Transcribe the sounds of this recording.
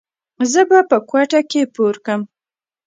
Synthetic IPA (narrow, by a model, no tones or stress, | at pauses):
zəbapəkwaʈakepoɾkəm